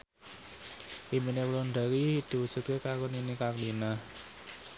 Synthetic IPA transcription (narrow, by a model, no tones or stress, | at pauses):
ʔiminewloɳɖa̤ɾid̪̥i̤wud̥ʒ̥ṳt̪̚kekakɔninikaklina